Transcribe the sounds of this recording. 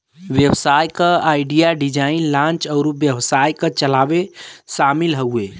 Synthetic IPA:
ʋjəwsaːjkəaːɪɖijaɖid͡ʒaːinlãːnt͡ʃəʊɾuʋjəwsajkət͡ʃəlaʋeʃaːmilɦəue

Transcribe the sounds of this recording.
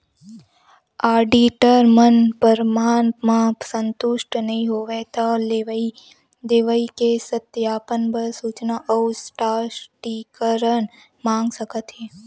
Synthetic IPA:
aːɖiʈəɾmənpəɾmaːnmãsə̃nt̪ʊʃʈnɐɦĩɦoːʋet̪ali | d̪eːʋəikesət̪jaːpənbəɾsuːt͡ʃnaʔɔːsʈaːʈikəɾən | mãːŋɡsəkət̪ɦeː

